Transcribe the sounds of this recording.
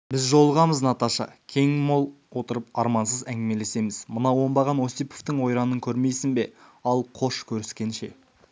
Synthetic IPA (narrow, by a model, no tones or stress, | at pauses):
bɪzʒo̞lˠəʁɑməznɑt̪ɑʃɑ̰kʲʰe̞ŋmo̞lˠ | wo̞t̪əɾəp̚ɑɾmɑnsəzæŋɡʲɪme̞le̞se̞mɪzmənɑwo̞mbɑʁɑno̞sijpo̞ft̪əɴwo̞jɾɑnəŋkʲʰɵɾme̞jsɪnbe̞ɑlˠqʰo̞ʃkʲʰɵɾɪskʲe̞nʃe̞̰